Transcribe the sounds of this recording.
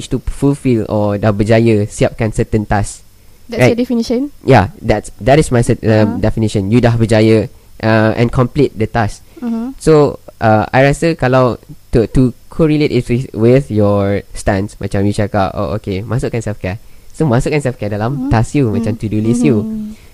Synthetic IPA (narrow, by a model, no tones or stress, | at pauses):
wit͡ʃtufulfilɔdabəd͡ʒajəsiap̚kãnsətə̃ntas | dɛɹadɛfiniʃə̃njadɛtsdɛtismajsətdɛfiniʃə̃njudabəd͡ʒajəʔaʔɛ̰̃nkʰɔ̃mplit̚dətas | soʔaa̰jɹɛsəkalawttukʰɔɹiletiswiwiθjɔstɛ̃nsmat͡ʃãmjut͡ʃɛka̰ʔo̰o̰kemasukɛ̃nsɛlfkɛsomasʊkɛ̃nsɛfkɛdalãmtasjumat͡ʃãmt̪udulisju